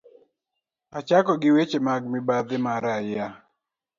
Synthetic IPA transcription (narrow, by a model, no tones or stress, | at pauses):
at͡ʃakɔɡɪwet͡ʃemaɡ̚mɪbad̪ɪmaɾaja